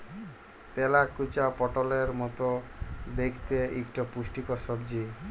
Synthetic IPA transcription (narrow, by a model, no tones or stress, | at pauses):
t̪elakut͡ɕapɔʈoleɾmɔt̪od̪ekʰt̪eʔikʈɔpuʃʈikɔsɔbd͡ʑi